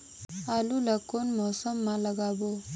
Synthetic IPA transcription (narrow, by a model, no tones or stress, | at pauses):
aluləkonmɔsəmːaləɡabo